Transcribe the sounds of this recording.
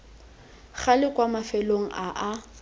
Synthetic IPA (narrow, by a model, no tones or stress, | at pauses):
χalɪkwamafɛloŋ̩aʔa